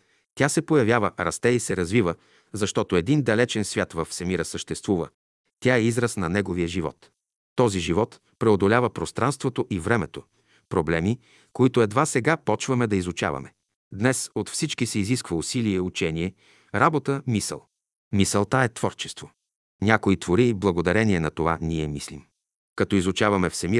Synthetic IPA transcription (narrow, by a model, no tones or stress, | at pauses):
t̪ʲasɛpojɐvjavəɾɐst̪ɛisɛɾɐzvivə | zɐʃt̪ɔt̪oɛd̪ind̪ɐlɛt͡ʃɛnsvʲat̪vɐfsɛmiɾəsəʃt̪ɛst̪vuvə̰ | t̪ʲaɛizɾəsnɐnɛɡoviəʒivɔ̰t̪ː | ɔziʒivɔt̪ | pɾɛod̪olʲavəpɾost̪ɾʔanst̪vot̪oʔivɾɛmɛt̪o | pɾoblɛmi | koit̪oɛd̪vasɛɡapɔt͡ʃvɐmɛd̪ɐizut͡ʃa̰vɐ̰mɛ | d̪nɛsot̪fsit͡ʃkisɛiziskvəusiliɛut͡ʃɛniɛ | ɾabot̪əmisə̰lˠ | misəlˠt̪aɛt̪vɔɾt͡ʃɛ̥st̪vo | nʲakoit̪voɾiːblˠɐɡod̪ɐɾɛniɛnɐt̪ova̰niɛmislim | kɐt̪ɔizʊt͡ʃavɐmɛfsɛmi